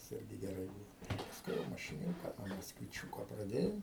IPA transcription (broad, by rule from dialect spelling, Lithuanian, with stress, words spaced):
tɐs ˈɪrʲɡʲɪ ɡʲɛˈrɐɪ ˈbuːʋoː pɐsˈkʊɪ jɛʊ mɐʃʲɪˈnʲuːkɐ nuɔ mɐskʋʲɪˈt͡ʃʲuːkoː prɐˈdʲeːjɛʊ